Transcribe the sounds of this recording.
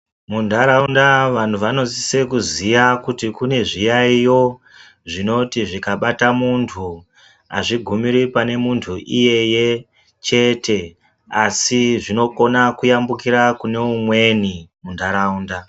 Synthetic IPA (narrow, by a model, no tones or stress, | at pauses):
mundʱaɾaundaʋan̤uʋano̞zise̞kuzijakutikune̞ʐijaijo̞ | ʐino̞tiʐikaɓatamuntʰu | a̰ʐiɡʱumiɾipane̞muntʰuʔije̞je̞ | t͡ʃe̞tʰe̞ | asiʐino̞ko̞nakujambukiɾakune̞umwe̞nimundʱaɾaunda